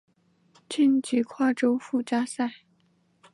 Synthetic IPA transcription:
t͡ɕi˥˩nt͡ɕi˧˥kʰwa˥˩ʈ͡ʂo˥ʊfu˥˩t͡ɕja˥sa˥˩ɪ

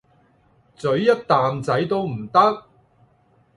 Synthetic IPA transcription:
t͡sɵ˨˥ɥjɐ˥t̚t̪aː˨mt͡sɐ˨˥jt̪o˥wm̩˨˩t̪ɐ˥k̚

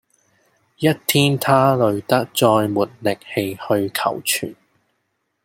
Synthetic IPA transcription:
jɐ˥t̚t̪ʰiː˥nt̪ʰaː˥lɵ˨˧ɥt̪ɐ˥k̚t͡sɔː˧jmuː˨˩t̚lɪ˨k̚he˨˧jhɵ˧ɥkʰɐ˨˩wt͡ʃʰy̰ː˨˩n

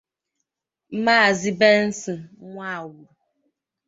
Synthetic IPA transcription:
maː˦˨zi˦be˦n̩˦si˨ŋʷa˦˨wu˨ɾ

